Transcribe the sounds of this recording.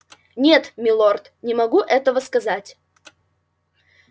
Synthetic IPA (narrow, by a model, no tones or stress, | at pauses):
nʲet̪mʲɪlˠort̪nʲɪmɐɡuʔɛt̪əvəskɐzatʲ